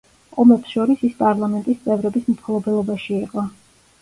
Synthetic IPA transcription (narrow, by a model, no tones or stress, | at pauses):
ɔmɛpsʃɔɾisispʼaɾlˠamɛnt̪ʼist̪sʼɛvɾɛbismpʰlˠɔbɛlˠɔbaʃiːqʼɔ